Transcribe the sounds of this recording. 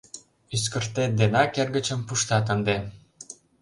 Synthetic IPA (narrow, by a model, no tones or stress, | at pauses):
yskərt̪ed̪enɑkerɣət͡ɕə̆mpuʃt̪ɑt̪ənd̪e